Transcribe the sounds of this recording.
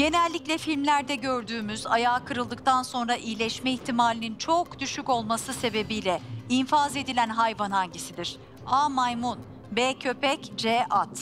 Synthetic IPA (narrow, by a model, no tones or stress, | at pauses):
ɟ̥e̞nɛlʲːiclʲɛfilʲmlʲæɾd̪ɛɟø̞ɾd̪yːmyzajaːkʰɯɾɯlˠd̪ɯk̚t̪ʰanso̞nɾaʔijlʲɛʃmɛiçt̪ʰimaːlʲinint͡ʃʰo̞kd̪̥yʃyco̞lˠmasɯse̞be̞bijlʲɛinfaze̞d̪ilʲænɦajvanhaɲɟisid̪iɾ̥ | aːmajmun | bɛːcʰø̞pɛcd͡ʒeːʔat̪